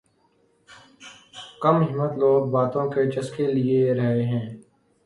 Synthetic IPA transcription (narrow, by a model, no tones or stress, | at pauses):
kəmɦɪmːət̪loːɡ̚baːt̪õket͡ʃəskelieɾəɦeɦɛ̃ː